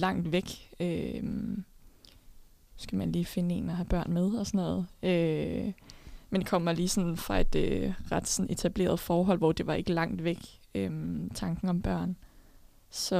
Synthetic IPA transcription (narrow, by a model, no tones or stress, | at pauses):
lɑ̈ŋ̰d̥ʋeɡ̥øm | sɡ̥æmænliːfe̝nəe̝̰ːnɒhæb̥ɶɐ̰nmeð̞ˠɒ̽sɒnɔ̰̽ːð̩ˠø | mend̥ekʰɒ̽m̰æliːsɒ̽nn̩fʁɑ̈e̝d̥øʁɑd̥sɒ̽ne̝t͡sʰæb̥le̝̰ːɐð̩ˠfɒːɦɒ̽l̰ʋɒ̰d̥e̝ʋɑ̈e̝ɡ̥əlɑ̈ŋ̰d̥ʋeɡ̥ | ømt͡sʰɑ̈ŋɡ̥n̩ɒ̽mb̥ɶɐ̰n | sɒ̽